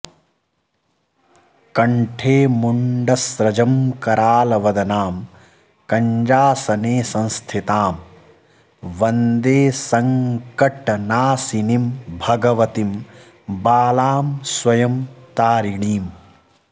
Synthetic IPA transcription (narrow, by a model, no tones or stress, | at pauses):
kɐɳʈʰeːmuɳɖɐsɾɐd͡ʒɐmkɐɾaːlɐʋɐd̪ɐnaːm | kɐɲd͡ʒaːsɐneːsɐ̃nst̪ʰit̪aːm | ʋɐnd̪eːsɐŋkɐʈɐnaːsinimbʱɐɡɐʋɐt̪im | baːlaːmswɐjɐmt̪aːɾiɳiːm